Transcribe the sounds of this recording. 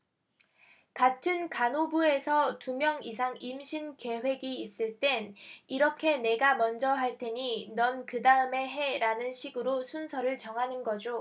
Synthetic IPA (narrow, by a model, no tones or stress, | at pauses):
katʰɯnkanobue̞sʰʌtumjʌŋis̬ʰaŋimɕʰinke̞we̞ɡiːs͈ɯɭt͈e̞niɾʌkʰe̞ne̞ɡamʌnd͡ʑʌɦaɭt͈e̞ɲinʌnkɯdaɯme̞ɦe̞ɾanɯnɕʰiɡɯɾosʰunsʰʌɾɯɭt͡ɕʌŋɦanɯnɡʌd͡ʑo